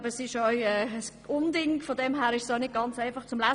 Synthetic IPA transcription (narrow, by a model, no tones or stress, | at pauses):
bəsɪʃœɥɛːs | ʊndɪŋkfɔdɛmɦæːɾɪʃsjonɪd̚ɡ̥ɑnt͡saɪfɑχt͡sʊmlæ